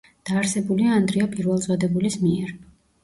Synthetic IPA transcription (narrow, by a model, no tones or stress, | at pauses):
d̪̥aːɾsɛbuliaːnd̪ɾiapʼiɾvɛlˠzʼwad̪ɛbulismiɛɾ